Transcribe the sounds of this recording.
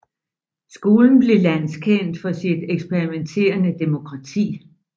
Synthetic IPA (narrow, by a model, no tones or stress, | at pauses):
sɡ̥o̝ːln̩b̥le̝lænskʰen̰d̥fɒ̽sid̥eɡ̥sb̥eʁiment͡sʰe̝̰ːɐnəd̥e̝mo̝kʰʁɑ̈t͡sʰḭː